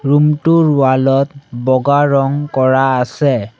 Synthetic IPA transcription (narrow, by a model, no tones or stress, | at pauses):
ɹumtʊɹʊalɔt̚bɔɡaɹɔŋkɔɹaːsɛ